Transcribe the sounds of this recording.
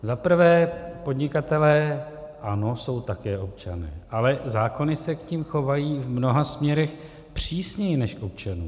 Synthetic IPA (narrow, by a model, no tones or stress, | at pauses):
zapr̩vɛːpo̞dɲɪkat̪ɛlɛːʔano̞so̞wt̪akɛːʔo̞p̚t͡ʃanɛ̰ːʔalɛzaːko̞nɪsɛkɲciːmxo̞vajiːvmno̞ɦasmɲɛɾɛx | pr̝̥iːsɲɛjɪnɛʃko̞pt͡ʃanṵːm